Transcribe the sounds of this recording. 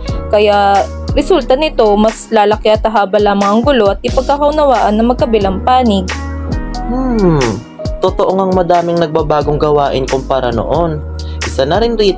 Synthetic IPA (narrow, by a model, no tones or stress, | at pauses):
kɐja | ɾɛsult̪ɐnɪt̪o̞mɐslaːlɐkɪʔɐt̪ɐɦaːbɐlaːmɐŋɐŋɡʊlo̞ʔɐt̪̚ʔɪpɐɡ̚kakɐʊnɐwaːʔɐnːɐmɐɡ̚kɐbɪlɐŋpaːnɪɡ̚ | m̩ | t̪ot̪oʔoŋɐŋmɐd̪aːmɪŋnɐɡ̚babaːɡoŋɡɐwaːʔɪnkʊŋpaːɾɐno̰ʔon | ʔɪsɐnɐɾɪnɾiː